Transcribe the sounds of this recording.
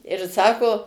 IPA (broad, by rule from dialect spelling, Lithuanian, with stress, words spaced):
ɪr ˈsɑːkoː